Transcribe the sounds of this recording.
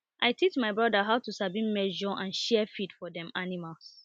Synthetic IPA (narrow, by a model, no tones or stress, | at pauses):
ʔaɪtʰit͡ʃmaɪbɹɔdaɦaʊtusabmĩnmɛd͡ʒɔʔãnʃɛfitfɔdɛ̃manimals